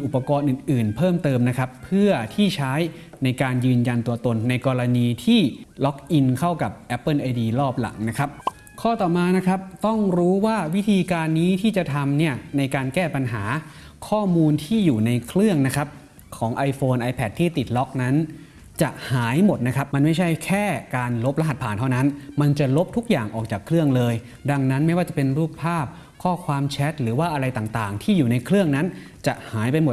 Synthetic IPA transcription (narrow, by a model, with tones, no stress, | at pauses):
ʔu˨˩pːa˧kɔː˧nʔɯː˨˩nʔɯː˨˩npʰɤː˥˩mt̪ɤː˧mna˦˥kʰa˦˥pʰːɯ˥˩ɐt̪ʰiː˥˩t͡ɕʰaː˦˥j | na˧jkaː˧njɯː˧nja˧nt̪u˧ɐt̪o˧nːa˧jkɔː˧la˧niː˧t̪ʰiː˥˩lɔ˦˥k̚ʔi˧nkʰa˥˩wka˨˩p̚ʔɛ˦˥pːɤː˥˩˨nʔa˧diː˧lɔː˥˩p̚la̰˨˩˦ŋna˦˥kʰa˦˥p̚ | kʰɔː˥˩t̪ɔː˨˩maː˧na˦˥kʰɾa˦˥p̚t̪ɔ˥˩ŋɾuː˦˥waː˥˩wi˦˥t̪ʰiː˧kaː˧nːiː˦˥t̪ʰiː˥˩t͡ɕa˨˩t̪ʰa˧mni˥˩ɐna˧jkaː˧nkɛː˥˩pa˧nɦaː˩˦ | kʰɔː˥˩muː˧nt̪ʰiː˥˩juː˨˩na˧jkʰɾɯ˥˩əŋna˦˥kʰa˦˥p̚ | kʰɔː˩˦ŋʔa˧jfoː˧nʔa˧jpʰɛ˨˩t̪̚ʰːiː˥˩t̪i˨˩t̪̚lɔ˦˥k̚na˦˥n | t͡ɕa˨˩ʔhaː˩˦jmo˨˩t̪̚na˦˥kʰa˦˥p̚ma˧nma˥˩jt͡ɕʰa˥˩jkʰɛː˥˩kaː˧nlo˦˥p̚la˦˥ɦa˨˩pʰaː˨˩nt̪ʰa˥˩wna˦˥nma˧nt͡ɕa˨˩lo˦˥p̚t̪ʰu˦˥k̚jaː˨˩ŋʔɔː˨˩k̚t͡ɕaː˨˩kʰːlɯ˥˩əŋlɤː˧j | da˧ŋna˦˥nma˥˩jwaː˥˩t͡ɕa˨˩pe˧nɾuː˥˩k̚pʰːaː˥˩p̚ | kʰɔː˥˩kʰwaː˧mt͡ɕʰɛ˦˥t̪̚ɾɯː˩˦waː˥˩ʔa˧ɾa˧jt̪aː˨˩ŋt̪aː˨˩ŋt̪ʰiː˥˩juː˨˩na˧jkʰɾɯ˥˩əŋna˦˥nt͡ɕa˨˩ʔhaː˩˦jpa˧jmo˨˩t